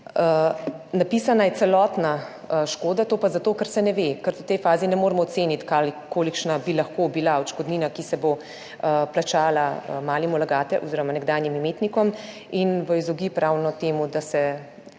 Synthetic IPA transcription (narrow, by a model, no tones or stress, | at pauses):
ənapiːsanajɛt̪sɛlɔːt̪na | əʃkoːd̪at̪oːpazat̪oːkəɾsɛnɛʋekəɾt̪ɔt̪ɛjfaːzinɛmoːɾmɔɔt̪seːnit̪kaːlikoːlikʃnabilaxkobilaɔt͡ʃkɔd̪niːnakisɛbo | əplat͡ʃaːlamaːlimulaɡaːt̪ɛʔɔziːɾɔmanɛɡd̪aːjnjimimeːt̪nikɔm | inʋəizɔɡipɾawnɔt̪eːmud̪asɛ